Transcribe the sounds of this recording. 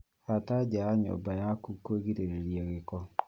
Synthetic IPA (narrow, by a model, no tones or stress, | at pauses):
atad͡ʒaaɲɔ̰bajakukːoɡiɾeɾeɾjaɣɪkɔ